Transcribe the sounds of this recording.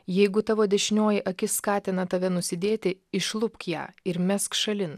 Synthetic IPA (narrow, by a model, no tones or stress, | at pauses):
jɛɪɡʊt̪ɑʋoːd̪ʲɛʃʲɪnʲoːjɪʔɐkʲɪskɑːt̪ʲɪnɐt̪ɐʋʲɛnʊsʲɪd̪ʲeːt̪ʲɪɪʃlˠʊpkjæ̰ːɪɾmʲɛskʃɐlʲɪn